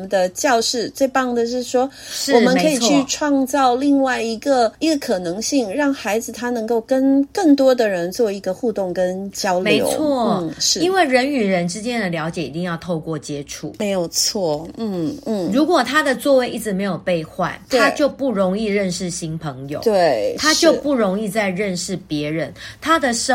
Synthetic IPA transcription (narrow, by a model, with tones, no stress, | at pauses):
mə˨nd̪ə˨t͡ɕjɑ˥˧ʊʂɻ̩˥˩t͡swe˥˧ɪpɑ˥˩ŋd̪ə˨ʂ̬ɻ̩˥˩ʂwɔ˥ | ʂwɔ˨˩mə˦nkʰɤ˧˥i˩˨t͡ɕʰy˥˨˧ʈ͡ʂʰwɑ˥˧ŋt͡sɑ˥˧ʊli˥˧ŋwa˥˩ɪi˧˥ɡə˧i˧˥ɡə˧kʰɤ˨˩nɤ˧˥ŋɕi˥˧ŋɻɑ˥˩ŋxa˧˥ɪd͡zɹ̩˨˩t̪ʰa˥nɤ˧˥ŋko˥˩ʊkə˦˥nkə˥˩ŋt̪wɔ˥d̪ə˨ɻə˧˥nt͡swɔ˥˩i˧˥ɡə˧xu˥˧t̪ʊ˥˩ŋkə˥nt͡ɕjɑ˥ʊlmeo˧˥ɪ̰o̰˧˥t͡sʊwɔ˥˩˥ʂɻ̩˥˩i˦nwe˥˩ɪɻə˧˦ny˨˩ɻə˦nʈ͡ʂɻ̩˥˦t͡ɕjɛ˥nd̪ə˨ljɑ˧˥ʊt͡ɕjɛ˨˩i˨˩t̪i˥˧ŋjɑ˥˧ʊt̪ʰo˥˧ʊkwɔ˥˨t͡ɕjɛ˥ʈ͡ʂʰṵ˨˩˦me˧˥ɪjo˨˩ʊt͡sʰwɔ˥˩n̩˥˩n̩˥˩ɻu˧˥kwɔ˨˩t̪ʰa˦d̪ə˨t͡swɔ˥˧we˥ɪʔi˥˩ʈ͡ʂɻ̩˧˥me˧˥ɪjo˨˩ʊpe˥˧ɪxwa̰˥˨˩nt̪ʰa˦t͡ɕjo˥˧ʊpu˥˩ɻo˧˦ŋi˥˧ɻə˥˧nʂɻ̩˥˩ɕi˥npʰə˧˦ŋjo̰˨we˥˩ɪt̪ʰa˦t͡ɕjo˥˧ʊpu˥˩ɻo˧˥ŋi˥˧t͡sa˥˧ɪɻə˥˧nʂɻ̩˥˩pjɛ˧˦ɻə˧˦nt̪ʰa˦˥d̪ə˨ʂə˥